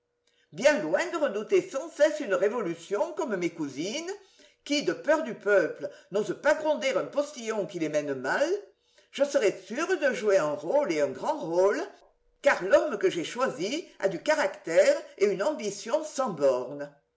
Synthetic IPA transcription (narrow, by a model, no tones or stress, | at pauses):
bjɛ̃lwɛ̃d̪əʁəd̪ut̪esɑ̃sɛsynəʁevɔlysjɔ̃kɔmmekuzinə | kid̪əpœʁd̪ypœplənozəpaɡʁɔ̃d̪ɛʁœ̃pɔst̪ijɔ̃kilemɛnəmal | ʒ̥əsəʁɛsyʁd̪əʒueɛ̃ʁoleœ̃ɡʁɑ̃ʁol | kaʁlɔmkəʒeʃwazia̰d̪ykaʁakt̪ɛʁeynɑ̃bisjɔ̃sɑ̃bɔʁnə